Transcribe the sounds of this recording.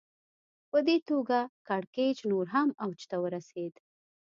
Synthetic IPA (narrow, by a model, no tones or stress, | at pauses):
pəd̪et̪oɡakɑɽked͡ʒnoɾɦamawt͡ʃt̪awəɾased̪